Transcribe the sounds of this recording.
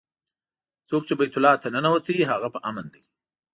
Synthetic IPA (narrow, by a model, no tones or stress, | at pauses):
t͡sok̚t͡ʃebajt̪ʊlɑt̪anənawət̪aiɦaɣapəʔamənd̪i